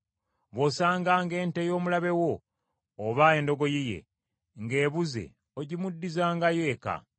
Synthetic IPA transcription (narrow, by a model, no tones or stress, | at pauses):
βosaːŋɡaːŋɡe̞ːntejo̞ːmulaβe̞wo̞ː | βaeːndo̞ɡo̞jije̞̰ | ŋɡeːβuzḛ | oɟimudːizaːŋɡaje̞ːka̰